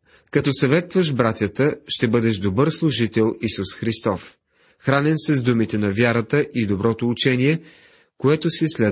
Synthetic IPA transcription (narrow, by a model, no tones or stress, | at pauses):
kɐt̪ɔsɐvɛt̪vəʃbɾat̪ʲjət̪əʃt̪ɛbɤd̪ɛʒd̪obɤɾslˠʊʒit̪ɛlˠisusxɾist̪ɔf | xɾanɛnsɛzd̪umit̪ɛnɐvʲjaɾət̪əʔid̪obɾɔt̪oːt͡ʃɛniɛ | koɛt̪osɛslɛ